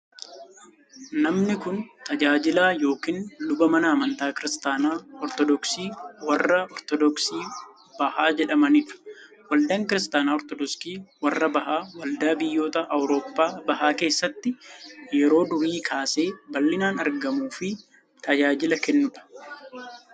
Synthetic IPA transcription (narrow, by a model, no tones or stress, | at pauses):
nɐmnɪkʊnt̪ɐd͡ʒaːd͡ʒɪlaːjo̞ːkiːnlʊbɐmɐnɐːmɐnt̪aːkɪɾɪst̪aːnaːɔɾt̪ɔd̪ɔksiːwɐrːɐɔɾt̪ɔd̪ɔksiː | b̥ɐhaːd͡ʒɛᶑɐmɐniːᶑʊ̥ | wɐld̪ɐŋkɪɾɪst̪aːnaːɔɾt̪ɔd̪ɔskiːwɐrːɐbɐhaːwɐld̪aːbɪjːo̞ːt̪ɐʔɐwɾo̞ːpːaːbɐhaːke̞ːsːɐt̪ːɪjɛɾo̞ːd̪ʊɾiːkʰaːse̞ːbɐlːɪnaːnɐɾɡɐmuːfɪ | t̪ʰɐd͡ʒaːd͡ʒɪlɐkɛnːʊᶑ̪ɐ̥